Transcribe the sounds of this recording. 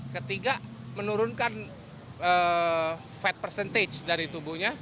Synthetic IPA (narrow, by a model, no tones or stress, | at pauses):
kət̪iɡamənuɾʊnkan | ə | fɛt̪̚pərsɛnt̪ed͡ʒdaɾit̪ubuhɲa